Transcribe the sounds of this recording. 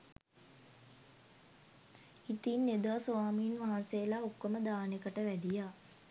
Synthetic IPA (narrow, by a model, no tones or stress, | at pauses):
it̪inːed̪ʋasoʋaːmiːnʋaɦanselaokːəməd̪aːnekəʈəʋæd̪ijaː